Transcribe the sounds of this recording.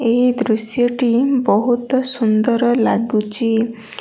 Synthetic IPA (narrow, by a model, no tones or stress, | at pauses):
ed̪ɾusjɔʈibɔɦut̪ɔsund̪ɔɾɔlaɡut͡ʃʰi